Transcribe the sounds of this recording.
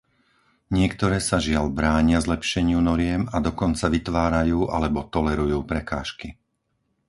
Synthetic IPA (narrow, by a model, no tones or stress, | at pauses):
ɲɪɛkt̪ɔɾɛːsaʒɪaʎbɾaːɲɪazlɛpʃɛɲɪunɔɾɪɛmad̪ɔkɔnt͡saʋit̪ʋaːɾajuːʔa̰lɛbɔt̪ɔlɛɾujuːpɾɛka̰ːʃki